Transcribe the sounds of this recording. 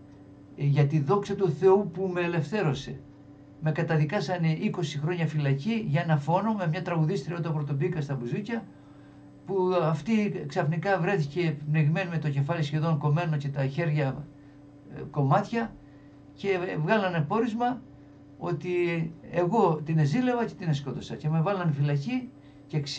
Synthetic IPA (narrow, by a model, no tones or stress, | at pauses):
ʝɐt̪iðo̞ksɐt̪uθe̞upumeːle̞fθe̞ɾo̞se̞ | me̞kɐt̪ɐðikɐsɐneʔiko̞sixɾo̞ɲɐfilɐciʝɐenɐfo̞no̞me̞mɲɐt̪ɾɐɣuðist̪ɾioit̪ɐpɾo̞t̪o̞bikɐst̪ɐbuzucɐ | puɐft̪iksɐfnikɐvɾe̞θice̞pneʝime̞numet̪o̞ce̞fɐlisçe̞ðo̞ŋko̞me̞no̞ce̞t̪ɐçe̞ɾʝɐ | ko̞mɐt̪çɐ | ce̞vɣɐlɐnepo̞ɾizmɐ | o̞̰t̪ieɣo̞t̪ine̞zilevɐce̞t̪inesko̞t̪o̞sɐce̞me̞vɐlɐnfilɐci | cek